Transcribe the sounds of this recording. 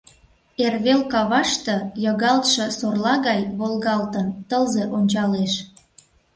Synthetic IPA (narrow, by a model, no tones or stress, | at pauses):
erβelkɑβɑʃt̪ɤ̆jɤɣɑlt̪ʃɤ̆sorlɑɣɑjβolˠɣɑlt̪ə̆nt̪əlzeʔonʲt͡ɕɑleʃ